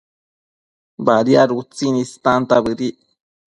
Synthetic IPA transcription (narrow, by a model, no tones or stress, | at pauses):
baɾiaɾut͡sinist̪ant̪aβɨɾi